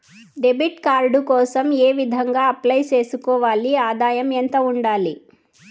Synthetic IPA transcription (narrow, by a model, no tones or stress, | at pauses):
ɖebʱiʈkaːɾɖukɔːsɐmeːʋid̪ʱɐŋɡaːɐplɐjt͡ʃe̞ːsukɔːʋaːliaːd̪aːjɐment̪ɐuɳɖaːli